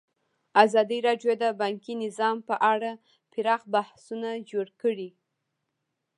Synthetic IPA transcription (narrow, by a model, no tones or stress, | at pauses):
azɑd̪iɾɑɖjod̪əbɑŋkinɪzɑmpəʔaɽa | pɪɾɑxbahsunad͡ʒoɽkəɽi